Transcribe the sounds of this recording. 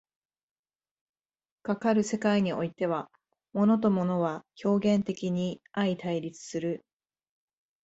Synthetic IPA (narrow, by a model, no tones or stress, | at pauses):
kakaɾɯ̟se̞kaiɲ̟io̞it̪e̞β̞a | mo̞no̞t̪̬o̞mo̞no̞βakʲo̞ːɡẽ̞nt̪e̞kʲiɲ̟iait̪aiɾʲit͡sɨ̥sɨɾɯ̟